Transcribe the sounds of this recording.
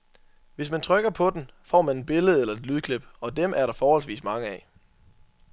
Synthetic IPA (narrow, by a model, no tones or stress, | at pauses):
ʋe̝smænt͡sʰʁœɡ̥ɐpʰɒ̽d̥enfɒ̰ːmæne̝d̚b̥e̝ləð̩ˠelɐe̝d̥lyːð̞̩ˠkʰleb̥ɒ̽d̥emʔæɐɾɑ̈fɒːhɒ̽l̰s̬ʋḭːsmɑ̈ŋəɛ